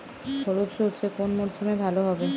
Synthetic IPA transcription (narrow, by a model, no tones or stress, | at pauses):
kʰoɾopʃoʈt͡ɕʰekonmoɾsomebʱaloɦɔbe